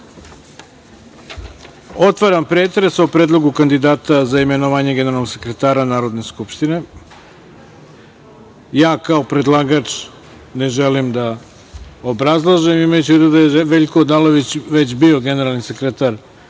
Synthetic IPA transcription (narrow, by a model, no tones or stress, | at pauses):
o̞t̪ʋaɾampɾeːt̪ɾesopɾed̪lˠo̞ɡukand̪id̪aːt̪azaime̞noʋaːɲe̞ɡe̞neɾalnoɡse̞kɾet̪aːɾanaːɾo̞d̪ne̞skupʃt̪ine̞ | jaːkaopɾe̞d̪lˠaːɡat͡ʂ | ne̞ʒelimd̪a | obɾazlˠaʒemimajut͡ɕeʋid̪oud̪ajeʋe̞ʎkoːd̪aloʋit͡ɕʋe̞t͡ɕbio̞ɡe̞ne̞ɾalˠnise̞kɾet̪aɾ